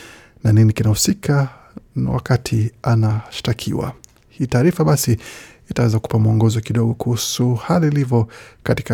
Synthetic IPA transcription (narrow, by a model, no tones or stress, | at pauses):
naninikinahusikʰa | na̰wa̰katʰianaʃi̥takʰiwa̰ | hiːtaːɾifaɓasiː | tawɛzaku̥pamuɔŋɡɔzɔkiɗɔɡɔkuhusuhaliːlivɔkati̥ka